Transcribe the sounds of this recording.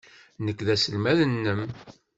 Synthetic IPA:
nəkːðæsəlmæðənːəm

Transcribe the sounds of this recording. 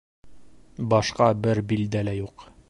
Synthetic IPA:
bɒʃqɑbɘɾbild̪ælæjuq

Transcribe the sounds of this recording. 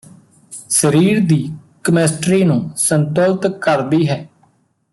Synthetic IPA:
səɾiːɾd̪iːkəmeːsʈɾiːnũːsənt̪oːlt̪kəɾd̪iːɦɛː

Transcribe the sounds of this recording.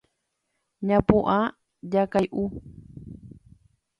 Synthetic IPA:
ɲãpuʔa | ʎakajʔu

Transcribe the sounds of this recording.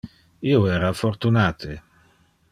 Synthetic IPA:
ioɛːɾafoɾt̪unaːt̪ʰe

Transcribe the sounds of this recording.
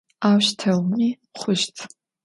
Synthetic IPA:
awʃtʰawni | χʷʊʃt͡sʰ

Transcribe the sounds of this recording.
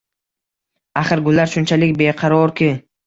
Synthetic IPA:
aχɨɾɡʊlːaɾʃʊnt͡ʃʰalɪkʲbeqʰɑɾɒɾkʲʰɪ

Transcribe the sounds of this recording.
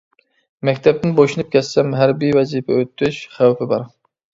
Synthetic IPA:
mɛkʲt̪ʰɛp̚t̪ɪnboʃunɨp̚kʲʰɛssɛmɦæɾbijwɛziːpʰɛ̰øt̪ʰːyʃχæwpʰɪbɑ̰ɾ

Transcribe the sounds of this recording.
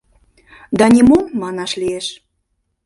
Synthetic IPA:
d̪ɑnʲimomːɑnɑʃlieʃ

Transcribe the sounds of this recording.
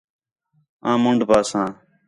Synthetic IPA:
ãːmʊɳɖʱpaːsãː

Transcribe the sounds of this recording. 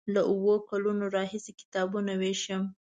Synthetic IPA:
laʔuwokalunoɾɑhisekɪ̥t̪ɑbunaweʃəm

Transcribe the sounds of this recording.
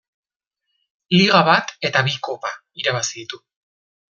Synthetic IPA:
liɣaβat̪e̞t̪aβiko̞pa | iɾaβasiðit̪u

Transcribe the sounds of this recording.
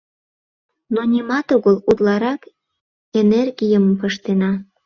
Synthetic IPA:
nonʲimɑt̪oɣəlut̪lɑɾɑk | enerɣijəməmpəʃt̪enɑ

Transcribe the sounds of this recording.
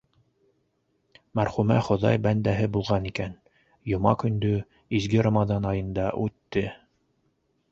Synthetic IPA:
mæɾχumæ̰χŏðɑ̰jbænd̪æɦɘbulˠʁɑnikæn | jŏmɑ̰kɵ̆nd̪ɵ | izɡɘɾamɑzɑnɑjɤ̆nd̪ɑʔʉt̪ːɘ

